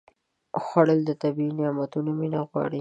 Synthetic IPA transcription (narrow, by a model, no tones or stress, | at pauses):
xaɽəld̪ət̪abiinɪamat̪unominaɣwɑ̰ɽi